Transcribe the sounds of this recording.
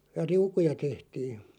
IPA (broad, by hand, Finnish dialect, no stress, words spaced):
jɑ riukujɑ tehtiː